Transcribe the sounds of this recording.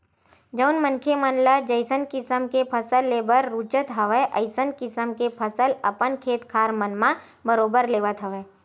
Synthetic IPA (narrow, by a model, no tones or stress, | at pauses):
d͡ʒəʊnmə̃nkʰemənlad͡ʒəɪsənkɪsəmkepʰəsəlːeːbəɾɾuːt͡ʃət̪ɦɐʋəʔə̰ɪsənkɪsəmkepʰəsəlɐpənkʰeːt̪kʰaːɾmənmã | bəɾoːbəɾleːʋət̪ɦəʋeː